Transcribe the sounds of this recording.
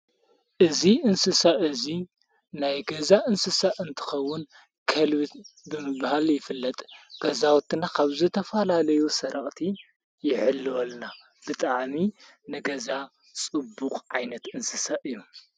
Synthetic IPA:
ʔɨziʔɨnsɨsaʔɨzi | najɡɐzaʔɨnsɨsaʔɨnt̪ʰɨ̥xɐwːʊn | kʰɐlβɨt̪bɨmɨβhaljɪfɨlːɐt̪ʼɡ̥ɐzawt̪ʰːɨnakʰaβzɨt̪ʰɐfɐlalɐjusɐɾɐχʼt̪ʰi | jɪʕɨlːɨwɐlna | b̥ɨt̪ʼaʕmi | nɨɡɐza | t͡sʼɨbːukʼʕajnɐt̪ɨnsɨsaʔɨjːu

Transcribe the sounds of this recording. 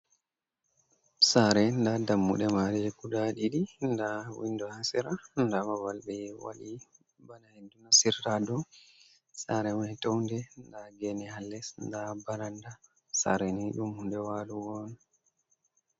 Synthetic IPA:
saɾɛndadamːṵɗɛmaɾɛɡudaɗiɗindawḭndɔhasiɾandamawalɗɛwa̰li | banahedːunasiradɔ | saɾɛmanitowndɛndaɡɛnɛhalːɛsndabalanda | sa̰ɾɛniɗumhundɛwaluwɔn

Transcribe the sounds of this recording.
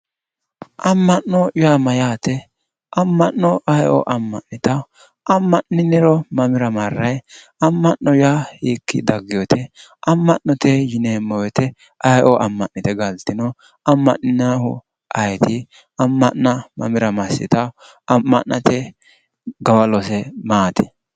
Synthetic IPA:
ʔɐmːɐnːɔjaːmɐjaːt̪ɛ | ʔɐmːɐnːɔʔɐjʔɔ̰ʔɐmːɐ̰nnːɪt̪ɐ | ʔɐmːɐnɪnɪɾɔmɐmɪɾɐmɐrːɐj | ɐmːɐnːɔjjahiːkːɪ̰d̪ɐɡːɪjɔt̪ʰɛʔɐmːɐnːɔt̪ɛjɪneːmːɔwɛt̪ɛ | ʔɐjʔɔʔɐmːɐnːɪt̪ɛɡɐlt̪ɪnɔ | ɐmːɐ̰ʔɪnahʊ̰ | ʔɐjt̪ɪ | ɐmːɐnːɐmɐ̰mɪɾɐmɐsɪ̰t̪ɐ | ɐmːɐ̰nːɐt̪ɛ | ɡɐwɐlɔsɛmaːt̪ɛ̥

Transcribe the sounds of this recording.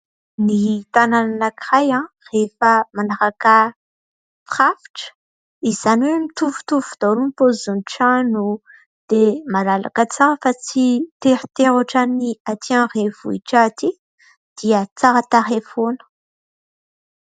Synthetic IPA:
nit̪anananakiʁajã | refəmanaʁaka | fχafi̥ʈ͡ʂə̥ | izaniwemit̪uvu̥t̪uvud̪̥awɾunipozuniʈ͡ʂanu | d̪̥emalala̰kət͡saɾəfat͡sit̪eɾit̪eɾaʈ͡ʂaniat̪ʰiãrevuiʈ͡ʂat̪i | d̪̥iət͡saɾət̪aɾefonə̥

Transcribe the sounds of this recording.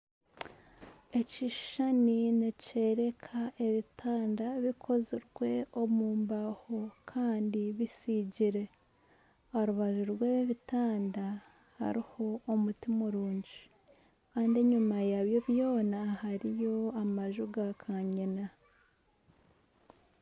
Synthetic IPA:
e̞ciʃaninece̞ɾe̞kʰaʔe̞βitʰaːndaβikʰo̞ziɾɡwe̞o̞muːmbaho̞kʰaːndiβisiɟiɾe̞ | oɾuβaʒuɾweːβeβitaːnda | ha̰ɾiho̞ːmutimuɾuːɲɟi | kaːndieɲumajaβjo̞βjo̞ːnahaɾijo̞amaʒuɡakʰaɲina

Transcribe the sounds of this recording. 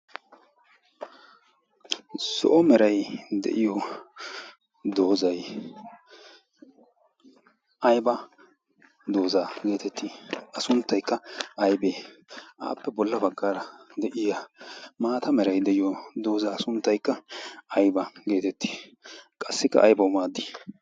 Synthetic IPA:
sɔ̰ʔɔmɛɾɐjd̪ɛ̰ʔɪjɔ | d̪o̞ːzɐj | ʔɐjbɐ | d̪o̞ːzaɡe̞ːt̪ɛt̪ːiɐsʊnt̪ːɐjkːɐɐjbeːʔa̰ːpːɛbɔlːɐbɐɡːaːɾɐd̪ɛʔɪjamaːt̪ɐmɛɾɐjd̪ɛʔɪjɔd̪o̞ːzaːsʊnt̪ːɐjkːɐɐjbɐɡe̞ːt̪ɛt̪ːi̥kʼɐsːɪkːɐ̰ʔɐ̰jbɐʊmaːd̪i

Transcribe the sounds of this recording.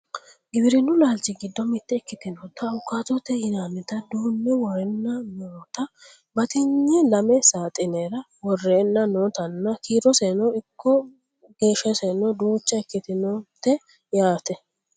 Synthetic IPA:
ɡɪbɪɾɪnʊlaːlt͡ʃɪɡɪd̪ːɔmɪt̪ːɛːkːɪt̪ɪnɔːt̪ɐʊkːaːt̪ɔt̪ːɛjɪnaːmɪt̪ɐd̪uːnːɛwɔrɛnːɐnoːt̪ɐ | bɐt̪ɪɲːɛlɐmɛsaːt̪ʼɪneːɾɐ | wɔrːeːnːɐnoːt̪ɐnːɐkiːɾɔsenɔɪkʰːɔ | ɡ̥eːʃːɐsenɔd̪uːt͡ʃːɐɛkːɪt̪ɪnot̪ːɛ | jaːt̪ɛ

